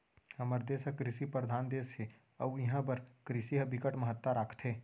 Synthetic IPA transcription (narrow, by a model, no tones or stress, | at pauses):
hɐməɾd̪eːsəkɾɪsipɾəɾd̪ʱaːnd̪eːshe | ɐʋɪɦãbɐɾkɾɪsiɦɐbʱɪkəʈməɦət̪ːaɾaːkʰt̪ʰɦeː